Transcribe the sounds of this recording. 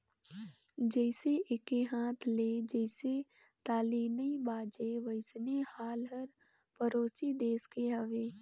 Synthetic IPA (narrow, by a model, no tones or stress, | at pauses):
d͡ʒɛɪseʔɪkeɦãːt̪ʰled͡ʒɛːɪse | t̪aːliːnibaːd͡ʒeʋəɪsnehaːlɦəɾ | pəɾoːsid̪eːskeɦəʋeː